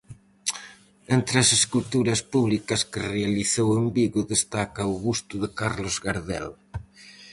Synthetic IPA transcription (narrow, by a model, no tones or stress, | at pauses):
ent̪ɾɐseskult̪uɾɐspuβlikɐskɪrealiθowembiɣʊðest̪akɐʊɣust̪ʊðɪkaɾlozɣaɾðɛ̰l